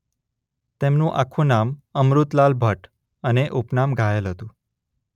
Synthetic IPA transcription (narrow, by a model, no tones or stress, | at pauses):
t̪emnũʔakʰũnaməmɾut̪lalbʱəʈ | əneʔupnamɡʱaelɦət̪ũ